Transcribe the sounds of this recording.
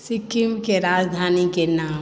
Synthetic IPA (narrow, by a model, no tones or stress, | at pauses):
sɪkimkeɾaːd͡ʒd̪ʱaːnikenaː